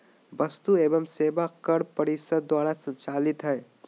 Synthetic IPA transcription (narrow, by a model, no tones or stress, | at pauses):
bəst̪uebəmsebakəɽpəɾisəd̪d̪waɾasə̃nt͡ʃalit̪ɦəj